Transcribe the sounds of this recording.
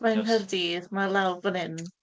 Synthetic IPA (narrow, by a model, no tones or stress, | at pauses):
manɦərdiːðmalˠawvənɪn